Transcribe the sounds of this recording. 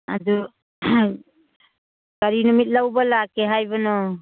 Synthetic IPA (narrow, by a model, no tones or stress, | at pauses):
a̰dɔ | kaɾinɔmit̪̚ˀlawbalakɛɦajbɔnɔ